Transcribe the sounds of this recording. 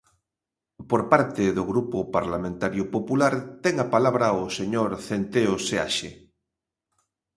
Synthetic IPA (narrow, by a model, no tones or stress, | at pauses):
poɾpaɾt̪eðoɣɾupʊpaɾlamẽnt̪aɾjʊpopulaɾt̪ɛŋapalaβɾaoseɲoɾθent̪eosea̰ʃḛ